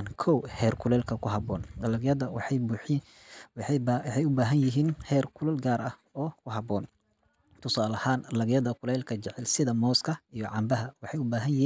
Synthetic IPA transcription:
nkʰɔwhɛːrkʰʊlɛːlkʰɐkʰʊhɐbɔːnjɐdɐ | wħɛjʊbaːɦɐnjɪɦiːnhɛːrkʰʊlɛlɡaːɾɐhɔːkʰʊɦɑbɔːn | t̪ʰʊsaːlɐhaːnlɐɣjɐðɐkʰʊlɛːlkʰɐt͡ʃɛʕɛlsɪðɐmɔːskʰɐijɔʕɑmbɐɦɐwɑħɑjʊbaːɦɐnː

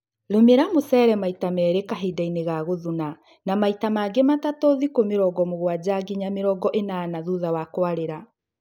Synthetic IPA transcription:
ɾomeɾamosɛːɾɛmaitamɛːɾekaɦedaineɣaɣoðuna | namaitamaɡematatɔðikomeɾɔɡɔmoɣwad͡ʑaɡiɲameɾɔɡɔʔenaːnaðuðawakwaɾeɾa

